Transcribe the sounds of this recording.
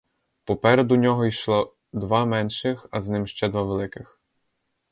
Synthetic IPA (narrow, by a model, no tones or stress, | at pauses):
pɔpɛɾed̪ʊnʲɔɦɔijʃlˠɔ | d̪ʋɑmɛnʃɪxɐznɪmʃt͡ʃɛd̪ʋɑʋelˠɪkɪx